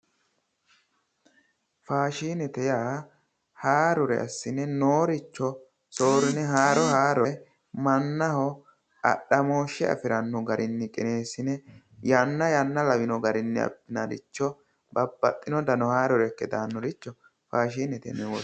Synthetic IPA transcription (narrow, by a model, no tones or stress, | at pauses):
faːʃiːnɛt̪ɛjaː | haːɾɔɾɛ̰ʔɐ̰sːɪnɛnoːɾɪt͡ʃːɔ | so̞ːɾɪnɛɦaːɾɔhaːɾɛ | mɐnːɐhɔ | ɐ̰ɗɐmo̞ːʃɛɐ̰fɪɾɐnːɔɡɐɾʔɪnːɪkʼɪne̞ːsɪnɛ | janːɐjɐnːɐlɐwɪnɔɡɐɾɪnːɪ̰ɐ̰bːɪnɐɾɪ̰t͡ʃːɔ | bɐbːɐt̪ʼːɪnɔd̪ɐnɔhaːɾɔɾɛkːɛd̪aːnːɔɾɪt͡ʃːɔ | faːʃiːnɛt̪ɛ̰nɛwɔ